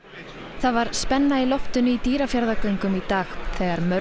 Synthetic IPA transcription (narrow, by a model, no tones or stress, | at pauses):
θaðvaɾ̥spɛnːailɔft̪ʏnʏit̪iːɾafjaɾðakœɥŋkʏmit̪aːxθɛːɣaɾmœ